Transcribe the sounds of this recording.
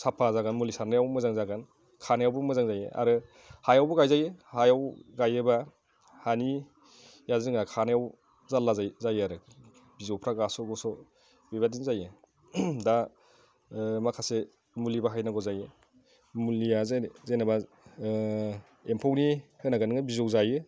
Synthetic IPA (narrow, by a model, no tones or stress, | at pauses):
sapʰazaɡanmulisaɾnajawmɯzaŋzaɡan | kʰanajawbɯmɯzaŋzajḛʔa̰ɾɯ | hajawbɯɡajzajɯhajawɡajɯba | hani | jazɯŋakʰanajaw | zalːazajzajaɾɯ | bizowpʰɾaɡasɔɡɔsɔ | bibadinzajɯ | da | makʰase | mulibaɦajnaɡɔzajɯ | muliazzajnaba | empʰɔwnihɯnaɡanɯŋɯbizowzajɯ